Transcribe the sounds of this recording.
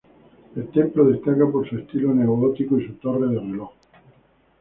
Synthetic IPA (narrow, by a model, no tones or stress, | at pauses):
elt̪emploðe̞st̪akapoɾsuest̪iloneuot̪ikoisut̪o̞reð̞erelox